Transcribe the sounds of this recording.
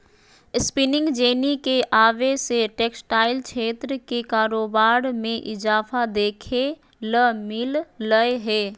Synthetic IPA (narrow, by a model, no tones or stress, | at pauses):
ɪspɪnɪ̃ŋɡd͡ʒeːnikeʔaːʋeseʈeːksʈaːɪlkʃʰeːt̪ɾəkekaːɾoːbaːɾmẽʔɪzaːfad̪eːkʰe | ləmɪlːəeɦɛː